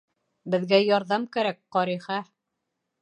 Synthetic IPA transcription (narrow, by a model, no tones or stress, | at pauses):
bɘ̆ðɡæjɒɾðɑmkæɾæk̚qɒɾiχæ